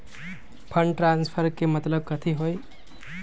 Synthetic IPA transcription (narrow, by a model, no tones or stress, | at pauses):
pʰəɳɖʈɾanspʰəɾkemət̪ləb̚kət̪ʰiɦoj